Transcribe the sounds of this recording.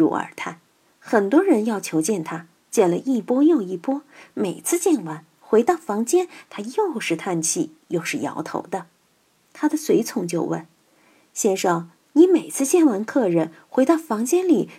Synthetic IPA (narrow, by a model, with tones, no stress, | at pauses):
ɻṵ˧˥ə̰˞˨˩t̪ʰa˥˩n | xə˨˩nt̪wɔ˥ɻə˧˥njɑ˥˩ʊt͡ɕʰjo˧˥ʊt͡ɕjɛ˥˩nt̪ʰa˥ | t͡ɕjɛ˥˩nlə˧ʔi˥˩pwɔ˥jo˥˧ʊi˥˩pwɔ˥me˨˩ɪt͡sʰɹ̩˥˧t͡ɕjɛ˥˩nwa˧˥n | xwe˧˥ɪt̪ɑ˥˩ʊfɑ˧˥ŋt͡ɕjɛ˥nt̪ʰa˥jo˥˧ʊʂɻ̩˥˧t̪ʰa˥˧nt͡ɕʰi˥˩ | jo˥˧ʊʂɻ̩˥˩jɑ̰˧˥ʊt̪ʰo̰˧˥ʊd̪ə˧ | t̪ʰa˥d̪ə˨swe˧˥ɪt͡sʰʊ˧˥ŋt͡ɕjo˥˧ʊwə̰˥˩n | ɕjɛ˥˧nʂɑ˥˩ŋ | ni˧˥me˨˩ɪt͡sʰɹ̩˥˧t͡ɕjɛ˥˩nwa˧˥nkʰɤ˥˧ɻə˧˩n | xwe˧˥ɪt̪ɑ˥˩ʊfɑ˧˥ŋt͡ɕjɛ˥nli˨˩